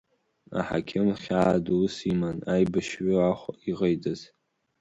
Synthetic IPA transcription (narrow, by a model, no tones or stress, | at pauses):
a̰ħa̰kʲʰɪmχʲaʕaduusimanajbaʃɥʊaχʷiʁəjdɨz